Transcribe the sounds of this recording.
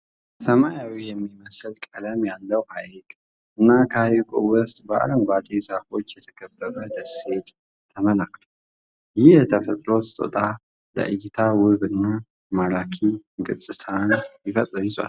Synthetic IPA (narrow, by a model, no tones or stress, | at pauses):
sɐmajawijɛmːiməsɨlkʼɐlɐmjalːəwhaʔikʼ | ʔɨnːakʰajikʼuwʊst̪ʼba̰ʔa̰ləmɡʷat̪ʼezafo̞t͡ʃːjɛt̪ʰə̥ɡɐbːəβɐd̪ɐse̞t̪ʼ | t̪ʰːɐməlakʰt̪ʰu | jɪhɛt̪ʰəfɐt̪ʼɾo̞sɨt̪ʼo̰t̪ʼa | lə̰ʔɨjɪt̪ʰawɨβɨnːa | malakʰiɡʼɨt͡sʼːɨt̪ʰanjɪfɐt̪ʼɨizua̰l